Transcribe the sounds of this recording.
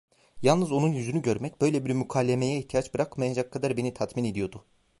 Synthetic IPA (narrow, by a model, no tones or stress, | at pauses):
jalˠnɯzo̞nunjyzynyɟø̞ɾmɛc̚b̥ø̞jlʲebiɾmykʰaːlʲːemejɛiçt̪ʰijat͡ʃbɯɾakmajad͡ʒakʰːad̪aɾbe̞nit̪ʰat̪mine̞d̪ijo̞d̪ʊ